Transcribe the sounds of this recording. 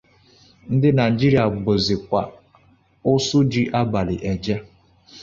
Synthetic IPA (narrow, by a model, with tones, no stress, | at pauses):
n̩˦dɪ˦na˨d͡ʒi˦ɾi˨a˨ɡ͡bo˨zɪ˨kʷa˨ | ʊ˦sʊ˦d͡ʒi˦ʔa˦ba˨lɪ˨ʔe˨d͡ʒa˦